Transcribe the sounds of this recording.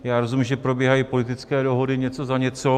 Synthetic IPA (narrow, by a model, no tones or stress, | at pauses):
jaːɾozummʒɛpɾo̞bjɛɦajiːpo̞lɪt̪ɪt͡skɛːdoɦodɪɲɛt͡so̞zaɲɛt͡so̞